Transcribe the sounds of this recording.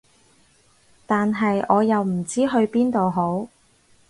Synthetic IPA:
t̪aː˨nɦɐ˨jɔː˨˧jɐ˨wm̩˨˩t͡siː˥ɦɵ˧ɥpiː˥nt̪o˨wɦo˨˥w

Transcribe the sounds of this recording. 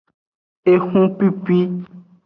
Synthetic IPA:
e˨xũ˦pi˦pi˦

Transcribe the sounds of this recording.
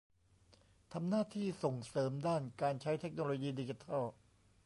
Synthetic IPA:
t̪ʰa˧mnaː˥˩t̪ʰiː˥˩so˨˩ŋsɤː˩˦mdaː˥˩nkaː˧nt͡ɕʰa˦˥jt̪ʰe˦˥k̚noː˧loː˧jiː˧diː˧t͡ɕi˧t̪ʰɔ˥˩

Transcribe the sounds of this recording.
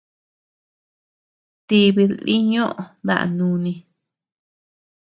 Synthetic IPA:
t̪i˧βi˧ðli˦ɲõ˦ʔo˨ða̰˦ʔa̰˧nũ˧nĩ˧

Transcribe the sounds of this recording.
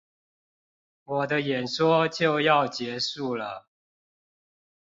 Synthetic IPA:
wɔ˨˩d̪ə˦jɛ˨˩nʂwɔ˦t͡ɕjo˥˨˧ʊjɑ˥˨˩ʊt͡ɕjɛ˧˥ʂu˥˩lə˨˩

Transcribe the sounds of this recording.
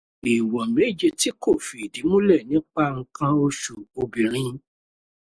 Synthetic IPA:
i˨wɔ˨me˨˦d͡ʒe˧ti˨˦ko˦˨fi˨di˨˦mũ˦lɛ˦˨nĩ˨˦k͡pa˦ŋ̩˧kã˧o˧ʃu˨o˧bi˨ɾ̃ĩ˨˧˦

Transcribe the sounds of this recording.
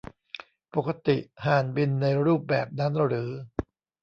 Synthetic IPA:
po˨˩kːa˧t̪i˨˩ʔhaː˨˩nbi˧nːa˧jɾuː˥˩p̚bɛː˨˩p̚na˦˥nɾɯː˩˦

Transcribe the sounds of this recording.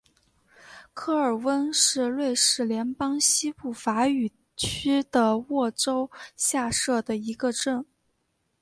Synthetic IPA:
kʰɤ˥˩ə˞˨˩wə˥nʂɻ̩˥˧lwe˥˧ɪʂɻ̩˥˩ljɛ˧˥npɑ˥ŋɕi˥pu˥˩fa˧˥y˨˩ | t͡ɕʰy˥d̪̥ə˨wɔ˥˩ʈ͡ʂo˥ʊɕja˥˧ʂɤ˥˩d̪ə˩i˧˥ɡə˧ʈ͡ʂə˥˩n

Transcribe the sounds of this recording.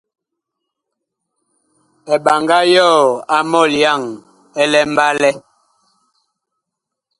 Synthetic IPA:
ɛ˨ɓa˨ŋɡa˦jɔ˦˨a˨mɔ˦˨lja˦˨ŋ | ɛ˦lɛ˦m˦ba˦lɛ˦

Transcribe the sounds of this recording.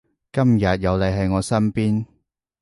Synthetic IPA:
kɐ˥mjɐ˨t̚jɐ˨˧wlɐ˨˧jɦɐ˨jŋɔː˨˧sɐ˥mpiː˥n

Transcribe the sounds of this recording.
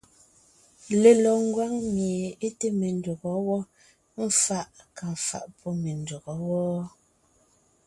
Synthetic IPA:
le˨lɔ˨ŋ̩˦ɡwa˦ŋmje˨e˦te˦me˨n˦du˨ɣɔ˨˦wɔ˦ | m̩˦fa˦ʔka˨fa̰˨ʔpʰɔ˦me˨n˨du˨ɣɔ˨˦wɔ˦

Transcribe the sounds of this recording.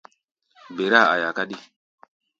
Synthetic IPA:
be˨ɾa˦˨a̰˨ja˨ka˦ɗi˦˨

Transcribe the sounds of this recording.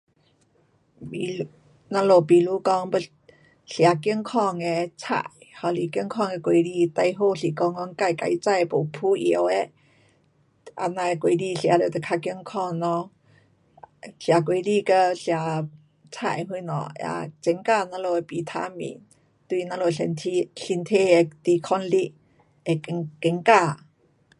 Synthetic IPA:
i˧ | nã˧lo˧˩pi˨lu˧˦kɔ˧˥ŋbə˧˩ | ɬja˨˦ki˧əŋkʰɔ˥˧ŋe˧t͡sʰa̰˨˧˨jhɔ˧˩li˨˩ki˧əŋkʰɔ˥˧˨ŋe˧kwe˧˦li˧t̪a˧jɦo˥˧ɬi˨˩kɔ˧˦ŋɔ˧˦ŋka˧˩jka˧ʔi˧˦t͡sa˥˧je˧po˨˦pʰu˧˦ʔḭ˧ə˦we˧˦ | ʔa̰˧nã˧e˧kwe˧˩˦li˧˨ɬja˨˦lo˨˩t̪e˧kʰa˧ki˧əŋkʰɔ˥˧˩ŋnɔ˧˦ | ɬa˨kwe˨˦li˧kə˧ɬja˨˩ | t͡sʰa̰˨˩jɦwu˧˦nɔ̰˨˩a̰˧˩t͡ɕɛ˨˧˦ŋka˥˧nã˧˦lo˧˩e˧pi˨t̪ʰa̰˧˦mḭ̃˨˦n | t̪wi˧˨nã˧˦lo˧˨i˧nt̪ʰi˧ɬi˧nt̪ʰe˥˧˩e˧t̪i˧˩kʰɔ˧nli˧˥ | e˧kɛ˧˦ŋka˥˧˨

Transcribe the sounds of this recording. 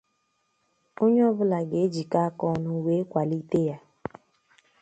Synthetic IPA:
o˦ɲ˦ɔ˦bʊ˦la˨ɡe˨e˦d͡ʒi˨ka˦kɔ˦nʊ˨we˦kʷa˨li˦te˦ja˦

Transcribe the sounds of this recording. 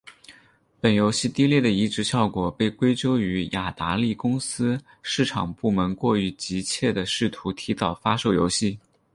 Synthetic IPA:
pə˨˩njo˧˥ʊɕi˥˧t̪i˥˧ljɛ˥˩d̪ə˩i˧˥ʈ͡ʂɻ̩˧˥ɕjɑ˥˩ʊkwɔ˨˩pe˥˩ɪkwe˥ɪt͡ɕjo˥ʊy˧˥ja˨˩t̪a˧˥li˥˩kʊ˥ŋsɹ̩˥ | ʂɻ̩˥˩ʈ͡ʂʰɑ˨˩ŋpu˥˩mə˧˥nkwɔ˥˩y˧˥t͡ɕi˧˥t͡ɕʰjɛ˥˩d̪ə˩ʂɻ̩˥˩t̪ʰu˧˥t̪ʰi˧˥t̪ɑ˨˩ʊfa˥ʂo˥˩ʊjo˧˥ʊɕi˥˩

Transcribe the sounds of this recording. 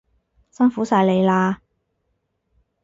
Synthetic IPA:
sɐ˥nfuː˨˥saː˧jle˨˧jlaː˧

